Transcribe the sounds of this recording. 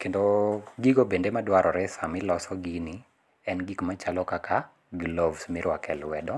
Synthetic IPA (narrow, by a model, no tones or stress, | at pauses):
kendoɡiɡobendemadwaɾɔɾɛsamɪlɔsɔɡini | ɛnɡikmat͡ʃalɔkakʰa | ɡlɔvsmɪɾwakɛlwɛdɔ